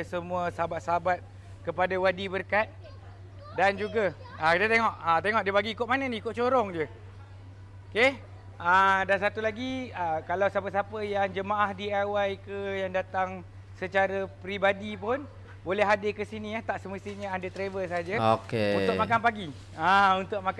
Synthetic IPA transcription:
səmũasəɦabat̪̚səɦabat̪̚ | kəpadawadibərkat̪̚ | dand͡ʒuɡa | akit̪ət̪eŋɔʔat̪eŋɔʔ̚diəpaɡiːkʊt̪̚manəniikʊt̪̚t͡ʃoɾɔŋdiə | oke | adansat̪ulaɡiakalawsapəsapəjaŋd͡ʒəmaʔahdiawajkəjaŋdat̪aŋ | sət͡ʃaɾapɾibadipʊn | bolɛɦadɪkəsiniaht̪aʔsəməst̪iɲəadat̪ɾevəsaad͡ʒaokeunt̪ʊk̚makanpaɡi | aunt̪ʊk̚mak

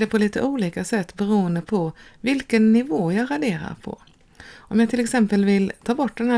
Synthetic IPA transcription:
ɖɛpʰɔliːt̪ə̰ʔuːliːkasɛt̪ːbɛɾuːənd̪əpʰɔvɪlkənːɪvoːjɑɾaɖeːɾa̰ɾpʰɔ̰ | ʔɔmjɑːt̪ʰɪlɛksɛmpəlvɪlt̪ʰɑːbɔʈːd̪ɛnhæː

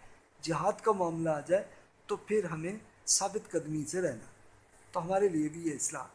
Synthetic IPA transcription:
d͡ʒɐɦaːd̪kamaːmlaːd͡ʒaːe | t̪opʰɪɾɦɐmẽ | saːbɪt̪kɐd̪miseɾɛɦna̰ː | t̪oɦɐmaːɾeliebʱijeɪsla̰ː

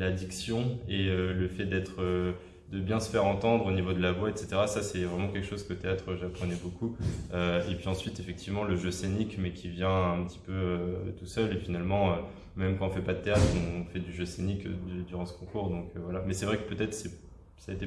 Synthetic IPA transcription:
lad̪iksjɔ̃eøləfɛd̪ɛt̪χø | d̪əbjɛ̃sə̥fɛʁɑ̃t̪ɑ̃d̪ʁonivod̪əlavwaɛt̪set̪eʁasasɛvʁɛmɑ̃kʲɛlkə̥ʃozkət̪eat̪χøʒapχənɛbokuøepɥiɑ̃sɥit̪efɛk̚t̪ʰivmɑ̃ləʒøsenikmɛkʲʰivjɛ̃ɛ̃pət̪ʰi̥pøøt̪usœlefinalmɑ̃ø | mɛmkɑ̃ɔ̃fɛpad̪ət̪eat̪χɔ̃ɔ̃fɛd̪yʒøsenikd̪yʁɑ̃sə̥kɔ̃kuʁd̪ɔ̃køvwalamɛsɛvʁɛkə̥pøt̪ɛt̪χəsɛ | saet̪e

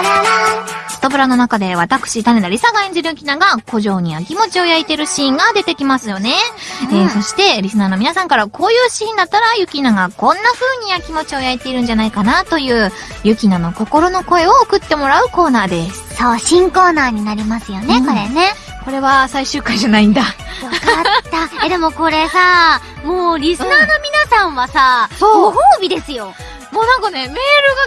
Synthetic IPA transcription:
sɨ̥t̪obɯ̟ɾano̞nakad̪e̞βat̪akɯ̟̥ɕit̪aned̪aɾʲisaɡaẽ̞ɲ̟d͡ʑiɾɯjɯ̟kʲinaɡako̞ʑo̞ːɲ̟ijakʲimo̞t͡ɕio̞jait̪e̞ɾɯ̟ɕiĩŋɡad̪e̞t̪e̞kʲimasɨjo̞ne̞eso̞ɕi̥t̪e̞ɾʲisɨnaːno̞mʲinasãŋkaɾakʰo̞ːjɯ̟ːɕiĩnd̪at̪ːaɾajɯ̟kʲinaɡakõ̞nːaɸɯ̟ːɲ̟iakʲimo̞t͡ɕio̞jait̪e̞iɾɯ̟ɲ̟d͡ʑanaikanat̪o̞jɯ̟ː | jɯ̟kʲinano̞ko̞ko̞ɾo̞no̞ko̞e̞o̞ːkɯ̟t̪ːe̞mo̞ɾaɯ̟ko̞ːnaːd̪essso̞ːɕĩŋko̞ːnaːɲ̟inaɾʲimasɨjo̞ne̞koɾe̞ne̞̥ | ko̞ɾe̞βasaiɕɨːkaiʑanaĩnd̪aβak̪ːad̪e̞mo̞ko̞ɾe̞sa | moːɾʲisɨnaːno̞mʲinasãɰ̃βasaoːɡoɦoːbʲid̪e̞sɨjo̞ | moːnãŋkane̞me̞ːɾɯ̟ɡa

